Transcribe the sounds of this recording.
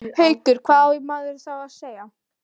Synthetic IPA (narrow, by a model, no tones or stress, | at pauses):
hœːɥt̪ʏɾ̥kʰvaːðɪmaɣðɪɾθawaðseːja